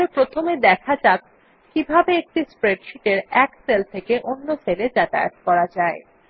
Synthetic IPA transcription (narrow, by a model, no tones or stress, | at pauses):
epɾot̪ʰomed̪ɛkʰad͡ʑak̚ | kibʱabeek̚ʈispɾeɖʃiʈeɾɛkselt̪ʰekeʔonːoseled͡ʑɛt̪a̰jḛt̪kɔɾad͡ʑae